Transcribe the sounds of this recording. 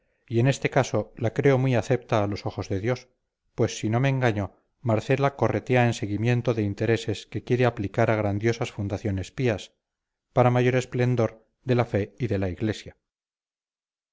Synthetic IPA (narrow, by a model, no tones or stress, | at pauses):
ie̞ne̞st̪e̞kaso̞lakɾe̞o̞mwiaθe̞pt̪aːlo̞so̞xo̞zðe̞ðjo̞s | pwe̞sːino̞meːŋɡaɲo | maɾθe̞lako̞re̞t̪eaense̞ɣimje̞nt̪o̞ðeint̪e̞ɾe̞se̞ske̞kje̞ɾeaplikaɾaɣ̞ɾand̪jo̞sasfund̪aθjo̞ne̞spias | paɾamaʝo̞ɾe̞sple̞nd̪o̞ɾ | ðe̞lafe̞iðe̞laiɣle̞sja